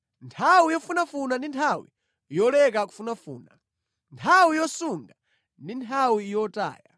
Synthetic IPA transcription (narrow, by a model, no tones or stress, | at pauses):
ntʰawijɔfunafunandintʰawḭ | jɔlɛkaku̥funafṵːna̰ | ntʰawijɔsuŋɡa | ndintʰawijɔta̰ːja̰